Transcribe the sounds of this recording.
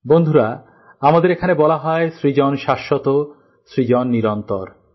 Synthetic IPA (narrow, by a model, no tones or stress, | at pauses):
bond̪ʱuɾa | amad̪eɾekʰanebɔlaɦɔesɾid͡ʑɔnʃaʃːot̪o | sɾid͡ʑɔnːiɾɔnt̪ɔ̰ɾ